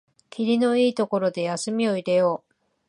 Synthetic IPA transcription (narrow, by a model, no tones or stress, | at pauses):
kʲiɾʲino̞iːt̪o̞ko̞ɾo̞d̪e̞jasɨmʲio̞iɾe̞jo̞ː